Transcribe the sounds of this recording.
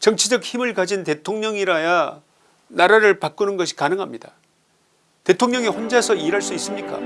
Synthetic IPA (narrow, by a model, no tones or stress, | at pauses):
t͡ɕʌŋt͡ɕʰid͡ʑʌk̚çimɯɭkad͡ʑinte̞tʰoŋɲʌŋiɾaja | naɾaɾɯɭpak͈unɯnɡʌɕʰi̥kanɯŋɦamɲida | te̞tʰoŋɲʌŋiɸond͡ʑasʰʌiɾɦaɭs͈uis͈ɯmɲik͈a̰